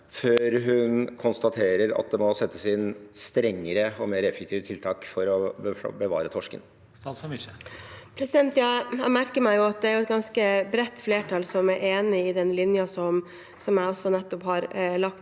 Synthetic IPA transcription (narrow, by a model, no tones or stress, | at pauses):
føːɾɦʉnkʰʊnst̪ɑt̪ʰeːɾəɾɑ̰t̪̚d̪ɛmɔsɛt̪ʰːə̥sɪnst̪ɾɛŋːəɾəɔmeːɾɛfɛkt̪ʰiːʋət̪ʰɪlt̪ʰɑːkfɔɾɔbbəʋɑ̰ːɾət̪ʰɔʂkə̰n | pʰɾɛsɪd̪ɛnt̪jɑæmæɾkəɾmæɪjʊɑt̪̚d̪ɛæɾjʊɛt̪̚ɡɑnskəbɾɛt̪ːfleːʈʰɑːlsɔmæʔeːnɪɪd̪ɛnlɪnjɑsɔm | sɔmæɪɔsːɔnɛt̪ːɔphɑɾlɑkt̪